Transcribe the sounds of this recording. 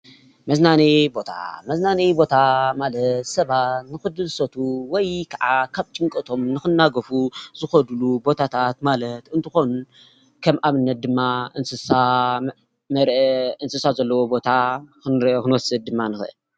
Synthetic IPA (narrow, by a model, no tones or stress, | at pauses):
mɐznanibo̞t̪ʰa̰mɐznanibo̞t̪ʰamalɐt̪sɐβatt̪nɨxɨd̪ɨsɐt̪ʰuwɔjkʰaʕakʰaβt͡ʃʼɨŋkʼɐt̪ʰo̞mnɨxɨnːaɡɐfuzɨxɐd̪lubo̞t̪ʰat̪ʰat̪malɐt̪ɨnt̪ʰɨxo̞nu | kʰɐmʔaβɨnːɐt̪̚d̪ɨmːaɨnsɨsa | mɐɾʔeɨnsɨsazɐlːɐwo̞bo̞t̪ʰaɨkɨnwɔsɨd̪̚d̪ɨmːanɨxɨʔɨ̰l